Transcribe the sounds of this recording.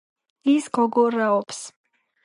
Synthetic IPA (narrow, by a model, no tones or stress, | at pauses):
isɡ̥ɔɡɔɾaɔps